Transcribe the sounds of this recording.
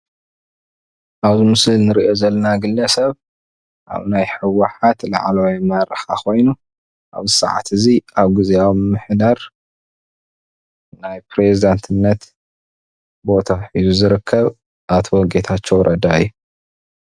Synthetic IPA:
ʔaβzɨmɨsɨlnɨɾiʔo̞zɐlːɐnaɡɨlːɐsɐβ | ʔa̰βnajħɨwːaħat̪la̰ʕlowmɐɾɐħakʰo̞jnu | ʔa̰βzɨsa̰ʕa̰t̪ɨziʔaβɡɨzejawmɨħd̪aɾ | najpɾe̞zid̪ant̪ʰɨnːɐt̪ | bo̞t̪ʰaħizuzɨɾɨkʰːɐβ | ʔat̪ʰɔɡet̪ʰat͡ʃːo̞wɾʔɐd̪ajːu

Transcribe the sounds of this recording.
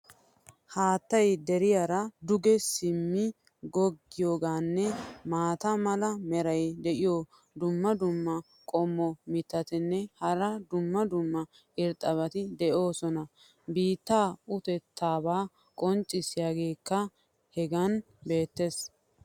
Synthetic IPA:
haːt̪ːɐjd̪ɛɾɪjaɾɐd̪ʊɡɛsɪmːɪ | ɡɔɡːɪjoːɡaːnːɛmaːt̪ɐmɐlɐmɛɾɐjd̪ɛʔɪjo | d̪ʊmːɐd̪ʊmːɐ | kʼɔmːɔmɪt̪ːɐt̪ɪnːɛhɐɾɐd̪ʊmːɐd̪ʊmːɐ | ʔɪɾt̪ʼɐβɐt̪ɪd̪ɛʔo̞ːsɔnɐ | biːt̪ːaːʊt̪ɛt̪ʰːaːbaː | kʼɔnt͡ʃʼːɪsɪjaːɡe̞ːkːɐ | hɛɡɐn | be̞ːt̪ːe̞s

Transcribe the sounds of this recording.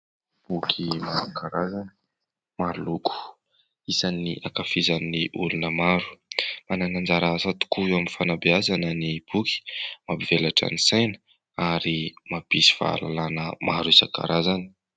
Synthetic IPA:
b̥ukʰimazakaɾazan | maɾuluku̥ | isanːiʔakafizaniːiʔulunəmaɾu̥mananand͡ʒaɾaazat̪u̥kuewaminfanabeazanənib̥uki̥mabivelaʈ͡ʂa̰nisajnə̥ | aɾimabisi̥v̥a̰a̰la̰lanə̰maɾuiza̰ka̰ɾazani̥

